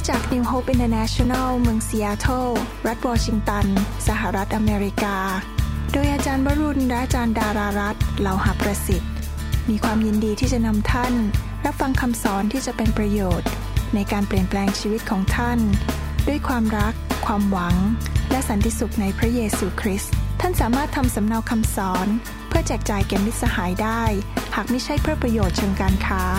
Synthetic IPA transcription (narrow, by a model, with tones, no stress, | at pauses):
t͡ɕaː˨˩k̚ni˧wɦoː˦˥pʔi˧nt̪ʰəː˧na˦˥t͡ɕʰo˧na˥˩wmɯ˧əŋsi˧ʔaː˧t̪ʰoː˥˩ | ɾa˦˥t̪̚wɔː˧t͡ɕʰi˧ŋt̪a˧nsa˧ɦa˨˩ɾa˦˥t̪̚ʔa˧meː˧ɾi˦˥kaː˧doː˧jʔaː˧t͡ɕaː˧nbaː˧˥ɾu˧nɾa˦˥t͡ɕaː˧ndaː˧ɾaː˧ɾa˦˥t̪̚la˧˩wha˨˩pɾa˧si˨˩t̪̚ | miː˧kʰwaː˧mji˧ndiː˧t̪ʰiː˥˩t͡ɕa˨˩na˧mt̪ʰa˥˩n | ɾa˦˥p̚fa˧ŋkʰa˧msɔː˩˦nt̪ʰiː˥˩t͡ɕa˨˩pe˧npɾa˧joː˨˩t̪̚ | na˧jkaː˧npli˨˩ənplɛː˧ŋt͡ɕʰiː˧wi˦˥t̪̚kʰɔː˩˦ŋt̪ʰa˥˩n | du˥˩əjkʰwaː˧mɾa˦˥kʰːwaː˧mwa˩˦ŋlɛ˦˥sa˨˦nt̪ʰi˧˩su˨˩k̚na˧jpʰɾa˦˥jeː˧suː˧kʰɾi˦˥st̪ʰːa˥˩nsaː˩˦maː˥˩t̪ʰːa˧msa˩˦mna˧wkʰa˧msɔː˩˦n | pʰɯ˥˩ɐt͡ɕɛː˨˩k̚t͡ɕaː˨˩jkɛ˨˧˩mni˦˥t̪̚sa˧haː˩˦jdaː˥˩jhaː˨˩k̚ma˥˩jt͡ɕʰa˥˩jpʰɾɯ˥˩pɾa˧joː˨˩t̪̚t͡ɕʰɤː˧ŋkaː˧nkʰaː˦˥